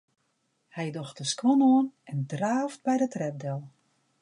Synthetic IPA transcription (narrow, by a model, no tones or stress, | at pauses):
hɛjdɔxtəskʋɔnoːnɛndraːvt̚bɛjdətrɛp̚dɛlˠ